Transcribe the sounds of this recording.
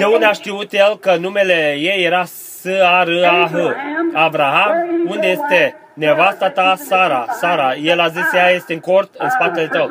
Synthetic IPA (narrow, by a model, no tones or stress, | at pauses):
d̪̥eund̪eaʃt̪iut̪jelkənume̞le̞jejːeɾa | sɨaɾɨaɦəavɾaɦamund̪eje̞st̪e | nevast̪at̪asaɾasaɾaje̞lazisjajest̪eɨŋko̞rt̪ɨnspat̪ele̞t̪əw